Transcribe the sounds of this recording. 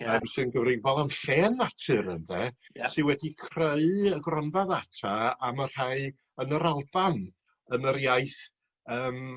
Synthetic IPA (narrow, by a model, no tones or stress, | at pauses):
əmsɨnɡəvrɪɡvɔlˠanɬɛːnːatʰɨɾənðɛsɨwɛdikʰreɨəɡrɔnvaðatʰaamar̥haɨ | ənəɾalˠb̥an | ənəɾjajθ | əːm